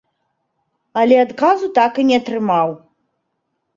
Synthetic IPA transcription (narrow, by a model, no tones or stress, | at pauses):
alʲɛad̪kazut̪akɨnʲɛat̪rɨmaw